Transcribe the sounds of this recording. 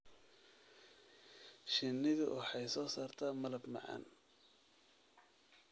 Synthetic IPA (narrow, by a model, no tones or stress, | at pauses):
ʃɪnːɪðʊ̰wʔɑħɑjsɔːsaːrt̪ʰaːmɐlɐbmɑ̰ʕɑ̰ːn